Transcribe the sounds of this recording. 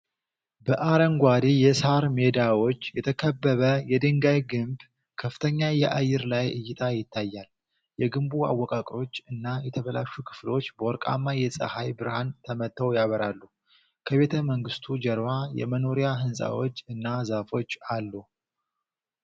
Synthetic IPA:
bəʔaɾəŋɡʷad̪ijɛsaɾme̞d̪awo̞t͡ʃːjɛt̪ʰəkʰəbːəβəjɛd̪ɨŋɡajɡɨmb | kʰəfɨt̪ʰəɲːajɛʔajːɨɾlajɨjːɪt̪ʰʼajɪt̪ːajːal | jɛɡɨmbua̰wːɔkʼakʼɾo̞t͡ʃːɨnːajɛt̪ʰəβəlaʃukʰɨ̥flo̞t͡ʃːbəwɔɾkʼa̰mːajɛsʼə̰hajbɨɾhant̪ʰəmət̪ʰːəwjaβəɾalːu | kʰəβe̞t̪ʰəməŋɡɨst̪ʰud͡ʒɛɾwajɛ̰məno̞ɾijaɦɨnsʼa̰wo̞̰t͡ʃːɨnːazafo̞t͡ʃːalːu

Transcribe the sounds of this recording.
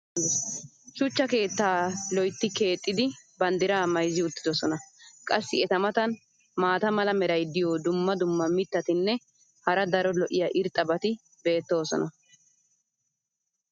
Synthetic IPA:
t͡ʃʊt͡ʃːɐke̞ːt̪ːaːlɔjt̪ːɪke̞ːt̪ʼːɪd̪ɪbɐnd̪ɪɾaːmɐjzɪʊt̪ːɪd̪ɔsɔnɐkʼɐsːɪɛt̪ɐmɐt̪ɐn | maːt̪ɐmɐlɐmɛɾɐjd̪ɪjoːd̪ʊmːɐd̪ʊmːɐmɪt̪ːɐt̪ɪnːɛ | hɐɾɐd̪ɐɾɔlɔʔɪjɐʔɪɾt̪ʼːɐbɐt̪ɪ | be̞ːt̪ːo̞ːsɔ̰nɐ

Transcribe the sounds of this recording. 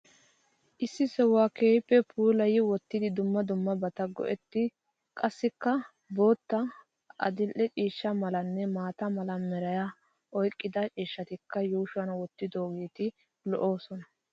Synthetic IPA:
ʔɪsːɪsɛwaːke̞ːjpʼːɛpʰuːlɐjɪwɔt̪ːɪd̪ɪd̪ʊmːɐd̪ʊmːɐbɐt̪ɐɡɔ̰ʔɛt̪ːɪ | kʼɐsːɪkːɐ | bo̞ːt̪ːɐ | ʔɐ̰d̪ɪlʔɛt͡ʃʼiːʃːɐmɐlɐnːɛmaːt̪ɐmɐlɐmɛɾɐjɐ | ʔɔjkʼːɪd̪ɐt͡ʃʼiːʃːɐt̪ɪkːɐjuːʃʊɐnwɔt̪ːɪd̪o̞ːɡeːt̪ɪ | lɔʔo̞ːsɔnɐ

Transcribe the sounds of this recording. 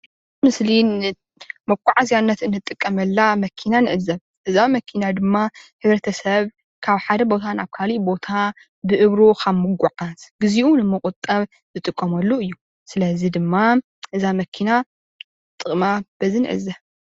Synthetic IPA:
mɨsli | mɐkʷʼːaʕazijanːɐt̪ɨnːɨt̪ʼːɨkʼːɐmɐlːamɐkʰinanɨʕɨzɐβ | ʔɨzamɐkʰinad̪ɨmːahɨβɾɐt̪ʰɐsɐβ | kʰaβħad̪ɐbo̞t̪ʰanaβkʰalibo̞t̪ʰa | bɨʔɨβɾokʰaβmːɨɡʷʊʕazɡ̥ɨziʔunɨmɨkʼʊt̪ʼɐβ | zɨt̪ʼɨkʼːɐmɐlːoɨjːu | sɨlɐzid̪ɨmːa | ʔɨzamɐkʰina | t̪ʼɨχʼmab̥ɐzinɨ̰ʕɨ̰zɐ

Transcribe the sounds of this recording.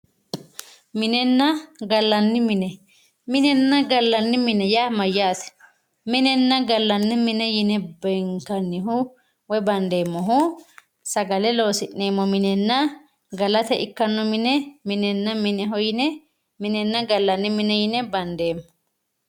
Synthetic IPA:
mɪnɛnːɐɡɐlːɐnːɪmɪnɛ | mɪnɛnːɐɡɐlːɐnːɪmɪnɛjaːmɐjːaːt̪ɛ̥ | mɪnɛnːɐɡɐlːɐnːɪmɪnɛjɪnɛbɛŋkɐnːɪɦʊ | wɛbɐnd̪eːmːɔɦʊ | sɐɡɐlɛloːsɪʔneːmːɔmɪnɛnːɐ | ɡɐlɐt̪ɛʔɪkːɐnːɔmɪnɛmɪnɛnːɐmɪnɛɦɔjɪnɛ | mɪnɛnːɐɡɐlːɐnːɪmɪnɛjɪnɛbɐnd̪eːmːɔ

